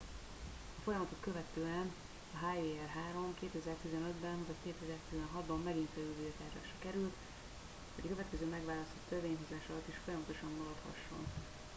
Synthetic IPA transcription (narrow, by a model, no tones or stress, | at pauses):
ɒfo̞jɒmɒt̪o̞kkø̞vɛt̪øːɛn | ɒɦaːeːɛrɦaːɾo̞mkeːt̪ɛzɛrt̪izɛnø̞d̪bɛnɦɒkeːt̪ɛzɛrt̪izɛnɦɒd̪bɒmːɛɡinfɛɾylvit̪aːrʒa̰ːʃrɒkɛɾylt̪ | hɒɟɒkøvɛt̪̚kɛzøːmɛɡʋvaːlɒst̪o̞t̪ːøveːɲɦozaːʃɒlɒt̪ːiʃfo̞jɒmɒt̪o̞ʃɒmːɒɾɒt̪hɒ̰ʃːo̞̰n